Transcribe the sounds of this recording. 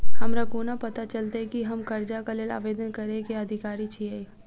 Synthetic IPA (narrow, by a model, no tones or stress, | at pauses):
ɦəmɾakoːnapɐt̪at͡ʃəlt̪akiɦəmkəɾd͡ʒakaleːla̰ːʋeːd̪ənkəɾekeəd̪ʱikaːɾit͡ʃʰie